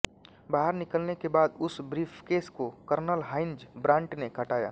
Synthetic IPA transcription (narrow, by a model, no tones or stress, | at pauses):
baːɦəɾnɪkəlnekebaːd̪ʊsbɾiːpʰkeːskokəɾnəlɦaːɪnd͡ʒbɾãːɳʈnekʰɐʈaːja̰ː